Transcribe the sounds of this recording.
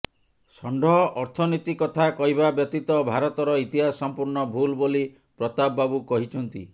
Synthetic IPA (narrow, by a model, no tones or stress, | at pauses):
sɔɳɖɔɦɔʔɔɾt̪ʰɔnit̪ikɔt̪ʰakɔɦibabjɔk̚t̪it̪ɔbʱaɾɔt̪ɔɾɔit̪iɦasɔmpuɾɳɔbʱulboli | pɾɔt̪abːabukɔɦit͡ʃʰɔnt̪ḭ